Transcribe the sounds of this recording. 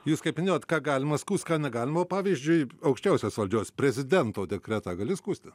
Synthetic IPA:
juːskɐɪpʲmʲɪnʲeːjot̪kɑːɡɑːlʲɪmɐskuːst̪ʲkɑːnʲɛɡɑːlʲɪmɐoːpɑːʋʲiːzʲd͡ʒʲʊɪɐʊkʃʲt͡ʃʲɛʊsʲoːsʋɐlʲd͡ʒʲoːsʲpʲɾʲɛzʲɪd̪ʲɛnt̪oːd̪ʲɛkɾʲæt̪ɑɡɐlʲɪskuːsʲt̪ʲɪ

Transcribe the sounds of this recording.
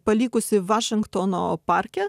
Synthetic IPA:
pɐlʲiːkʊsʲɪʋɑːʃʲɪŋkt̪oːno̰ːpɑːɾʲkʲɛ

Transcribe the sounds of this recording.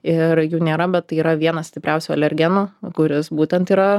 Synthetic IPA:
ɪɾjuːnʲeːɾɐbʲɛt̪t̪ːɐɪiːɾɐʋʲiɛnɐssʲt̪ʲɪpʲɾʲɛʊsʲuːɐ̰lʲɛɾʲɡʲɛnoːkʊɾʲɪsbuːt̪ʲɛnt̪iːɾɐ

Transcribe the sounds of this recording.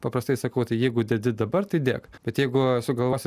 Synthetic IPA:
pɐpɾɐst̪ɐɪsɐkɐʊt̪ɐɪjɛɪɡʊd̪ʲɛd̪ʲɪd̪ɐbɐrt̪ɐɪd̪ʲeːkbʲɛt̪jɛɪɡʊsʊɡɐlˠʋoːsʲ

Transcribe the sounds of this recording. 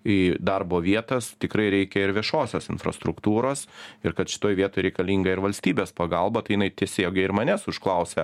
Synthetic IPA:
id̪ɐrboːʋʲiɛt̪ɐst̪ʲɪkɾɐɪɾʲɛɪkʲɛɪɾʋʲiɛʃoːsʲosɪnfrɐ̰st̪ɾʊkt̪uːɾoːsɪɾkɐt̪ʃʲɪ̥t̪oːjʋʲiɛt̪oːɪɾʲɛɪkɐlʲiːŋɡɐɪɾʋɐlʲsʲt̪ʲiːbʲeːspɐɡɐlˠbɐt̪ɐɪjɪnɐɪt̪ʲiɛsʲeːɡʲɐɪɾmɐnʲɛsʊʃklˠɐʊsʲɛ

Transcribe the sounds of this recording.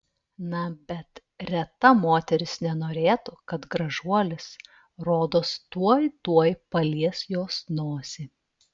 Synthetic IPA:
nɐbʲɛt̪ | ɾʲɛt̪ɐmoːt̪ʲɛɾʲɪsnʲɛnoːɾʲeːt̪ʊkɐt̪ɡɾɐʒuɔlʲɪs | ɾoːd̪oːst̪uɔjt̪uɔjpɐlʲiɛsjoːsnoːsʲɪ

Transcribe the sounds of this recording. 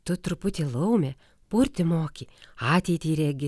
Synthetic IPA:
t̪ʊt̪ɾʊpʊt̪ʲɪlˠɐʊmʲɛ | pʊɾʲt̪ʲɪmoːkʲiːɑːt̪ʲɛɪt̪ʲiːɾʲɛɡʲɪ

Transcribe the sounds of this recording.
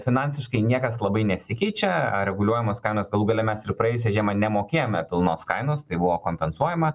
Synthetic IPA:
fʲɪnɐnʲsʲɪʃkɐɪnʲiɛkɐslˠɐbɐɪnʲɛsʲɪkʲɛɪt͡ʃʲɛɐɾʲɛɡʊlʲuɔjɛmoːskɐɪnoːsɡɐlˠuːɡɐlʲɛmʲɛsɪɾpɾɐeːjʊs̬ʲɛːʒʲiɛmɐnʲɛmoːkʲeːjoːmʲɛpʲɪlˠnoːskɐɪnoːst̪ɐɪbʊʋoːkoːmʲpʲɛnsuɔjɛmɐ

